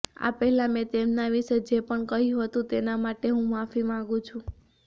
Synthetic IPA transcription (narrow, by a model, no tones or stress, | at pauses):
a̰pəɦɛlãmɛ̃t̪emnaʋiʃed͡ʒepəɳkəɦjũɦət̪ũt̪enamaʈeɦũmafimãɡũt͡ʃʰũ